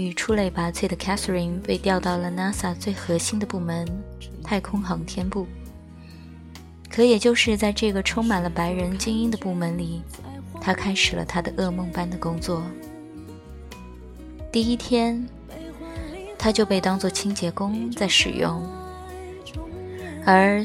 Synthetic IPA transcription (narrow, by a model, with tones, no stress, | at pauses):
y˨˩ʈ͡ʂʰu˥le˥˩ɪpa˧˥t͡sʰwe˥˩ɪd̪ə˩kʰa˥θə˧ɹi˧˥npe˥˧ɪt̪jɑ˥˧ʊt̪ɑ˥˩ʊlə˩na˥sa˥˩t͡swe˥˩ɪxɤ˧˥ɕi˥nd̪ə˨pu˥˩mə˧˥nt̪ʰa˥˩ɪkʰʊ˥ŋxɑ˧˥ŋt̪ʰjɛ˥npu˥˩ | kʰɤ˧˥jɛ˨˩t͡ɕjo˥˧ʊʂɻ̩˥˧t͡sa˥˧ɪʈ͡ʂɤ˥˩ɡə˩ʈ͡ʂʰʊ˥ŋma˨˩nlə˦pa˧˥ɪɻə˧˥nt͡ɕi˥ŋi˥ŋd̪ə˨pu˥˩mə˧˥nli˨˩˦ | t̪ʰa˥kʰa˥ɪʂɻ̩˨˩lə̰˦t̪ʰa˥d̪ə˨ʔɤ˥˧mɤ˥˧˩ŋpa˥nd̪ə˨kʊ˥ŋt͡swɔ˥˩ | t̪i˥˩i˥t̪ʰjɛ˥n | t̪ʰa˥t͡ɕjo˥˧ʊpe˥˩ɪt̪ɑ˥ŋt͡swɔ˥˩t͡ɕʰi˥ŋt͡ɕjɛ˧˥kʊ˥ŋt͡sa˥˩ɪʂɻ̩̰˨˩jʊ̰˥˩ŋ | ə˞˧˥